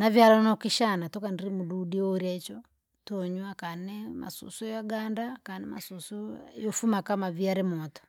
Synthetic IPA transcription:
navjalɔnɔkiʃanatɔkandiɾimuɗuɗiɔɾat͡ʃɔ | tɔɲwakanɛma̰sṵsujaɡandakanɛma̰susujɔfumakamaviaɾɛmɔtɔ̥

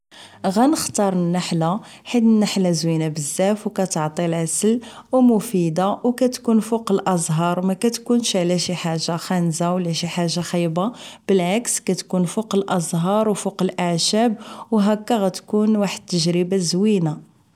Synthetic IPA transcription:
ɣænəxt̪ɑɾˤnːaħlaħid̪ənːaħlæzwinabəzːæfwkæt̪əʕt̪ˤilʕasəlwmʊfid̪awkæt̪kunfuqəlʔɑzˤɦɑɾˤmækæt̪kunʃʕlæʃiħaʒːaxænzawlæʃiħaʒːaxijbab̥əlʕakskæt̪kunfuqəlʔɑzˤɦɑɾˤwfuqəlʔaʕʃæbwɦækːæɣæt̪kunwaħəd̪̚t̪ːəʒɾəbazwina

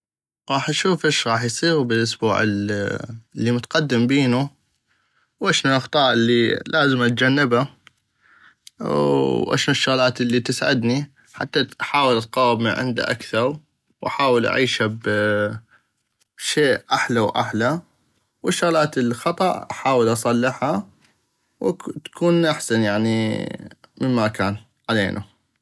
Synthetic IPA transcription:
ɣɑːħʔaʃuːfʔɪʃɣɑːħjsˤiːɣbəlʔʊsbṵːʕɪ̰ | lːimʊt̪aqad̪ːɪmbiːnu | wʔaʃnuʔɑxt̪ˤɑːʔɪlːilaːzɪmʔat̪̚d͡ʒanːɪba | ʔa̰ʃnʊʃːʊɣlaːt̪lːit̪ɪsʕɪd̪ni | ħa̰t̪ːaħaːwɪlt̪̚qɑwːɪbmḭʕɪ̰nd̪a̰ʔa̰kθɑɾˤ | wʔa̰ħaːwəlʔa̰ʕiːʃhab | ʃeːʔʔaħlawʔa̰ħla | wɪʃːʊɣlaːt̪əlxɑt̪ˤɑʔħaːwəlʔɑsˤɑlːɪħha | wt̪ḁkʰuːnʔaħsanjaʕni | mɪmmːakaːn | ʕalḛːnʔa̰

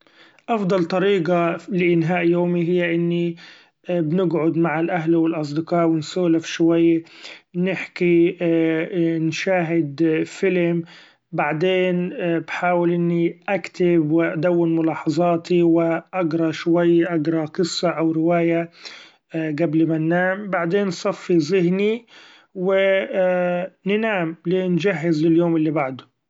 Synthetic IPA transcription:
ʔɑfd̪ˤɑlt̪ˤɑɾiːɡalɪʔɪnɦaːʔjoːmiɦɪjːaʔɪnːi | bnɪɡʕʊd̪maʕalʔaɦlwɪlʔɑs̬ˤd̪ɪqɑːʔwɪnsuːlafi̥ʃwajːnɪħki | nʃaːɦɪd̪fɪlm | baʕd̪eːnbħaːwɪlʔɪnːiʔakt̪ɪbwɪʔad̪awːɪnmʊlɑːħɑzˤɑːt̪iwɪʔaɡɾˤɑʃwajːʔaɡɾˤɑqɨsˤːɑʔawɾɪwaːja | ɡablmanːaːmbaʕd̪eːnsˤɑfːizɪɦni | wɪ | nɪnaːmlɪnd͡ʒaɦːɪzlɪljoːmɪlːibaʕd̪ʊ

